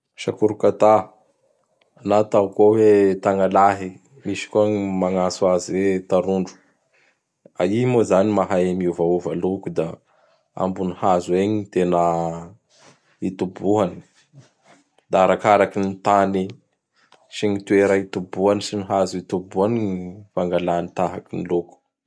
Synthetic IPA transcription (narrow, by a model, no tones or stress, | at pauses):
ʃakuɾukat̪a | anat̪aukuawet̪aŋalaɦi | miʃi̥kumaŋasuaziwet̪aɾuɳɖ͡ʐu̥ | a̰imozanimaɦaemiuvauvalukud̪a | a̰mbunihazueɲit̪enə | it̪ubuɦani̥ | d̪aaɾakaɾakinit̪ani | siɲit̪ueɾait̪ubuanisiniɦazit̪ubuanifaŋɡalanit̪aɦakiniluku̥